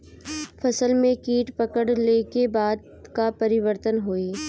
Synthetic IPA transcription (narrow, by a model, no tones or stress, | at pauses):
fʰɐsəlmẽkiːʈpɐkəɽleːkebaːd̪ | kapɐɾɪʋəɾt̪ənɦoːiː